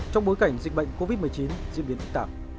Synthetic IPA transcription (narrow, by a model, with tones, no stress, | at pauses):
t͡ɕɔ˧wŋ͡mɓo˨˦jka˧˩jŋ̟zḭ˨k̟̚ɓə̰˧˨jŋ̟ko˧vi˦˥t̚m˨˩ət͡ɕi˨˦nzḭ˧˨mɓi˨˦ənʔɨ˦˥k̚t̪aː˨˦